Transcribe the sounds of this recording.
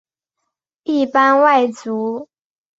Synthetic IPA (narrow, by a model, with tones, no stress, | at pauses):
i˥˩pa˥nwa˥˩ɪt͡su˧˥˦